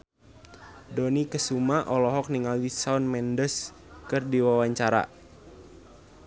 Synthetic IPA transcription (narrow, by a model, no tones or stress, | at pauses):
donikəsumaʔɔlɔɦɔk̚niŋaldisaʊnmɛndəs | kərdiwawaɲt͡ʃaɾa̰